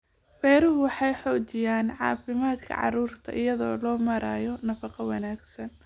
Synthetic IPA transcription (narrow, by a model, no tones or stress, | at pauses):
fɛːɾʊɦʊwɑħɑjħɔːt͡ʃɪjaːnʕɑ̰ːfɪmaːd̪kʰɐ̰ʕɑ̰ruːrt̪ʰɐ̰ʔɪjɐðɔ̰ːlɔːmɐɾaːjɔnɐfɑqɑwɑnaːɡsɐn